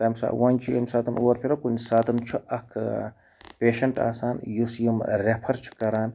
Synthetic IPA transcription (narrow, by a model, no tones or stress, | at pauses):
t̪ɐmsa̰ːwɐnʲt͡ʃʰijemsaːt̪ɐnuɐɾpʰiɾɐkunʲsaːt̪ɐnt͡ʃʰuɐkʰ | pʲeːʃɐɳʈa̰ːsaːnjusjimɾepʰɐɾt͡ʃʰi̥kɐɾaːn